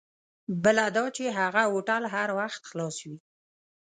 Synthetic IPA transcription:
bəlad̪ɑt͡ʃeɦaɣaoʈalɦaɾwaxt̪xlɑswi

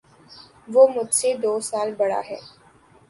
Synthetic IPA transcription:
ʋoːmʊd͡ʒsed̪oːsaːlbɐɽa̰ɦɛ̰ː

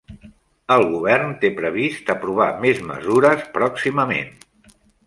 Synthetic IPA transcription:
əlˠɣuβɛrnt̪epɾəβ̞ist̪əpɾuβ̞a̰mezmə̰zuɾəspɾɔksiməmḛn

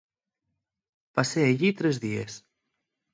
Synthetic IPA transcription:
paseaʎit̪ɾezðies

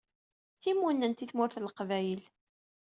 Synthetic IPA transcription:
θimːunːənt̪iθmʊɾθləqvæjəl

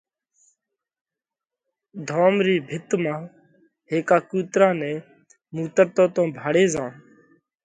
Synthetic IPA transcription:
d̪ʱoːmɾiːbʱɪt̪mãː | ɦeːkaːkuːt̪ɾãːnɛ̃ː | muːt̪əɾt̪õːt̪õːbʱaːɽeːzãː

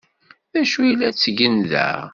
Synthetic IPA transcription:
ðæʃuilːæt͡sːʝənðæ̰

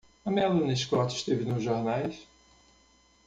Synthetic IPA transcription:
ɐmẽɐlũnɐɪʃkɔt͡ʃɪ̥ʃt̪evɪnʊzʒoɾnajs

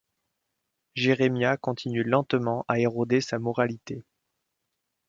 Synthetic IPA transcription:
ʒeʁemjakɔ̃t̪ʰinylɑ̃t̪mɑ̃ʔaeʁod̪esamɔʁalit̪e

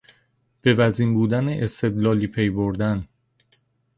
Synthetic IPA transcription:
b̥e̞væziːmbuːd̪æneʔest̪e̞d̪lɒːliːpʰe̞jboɾd̪æn

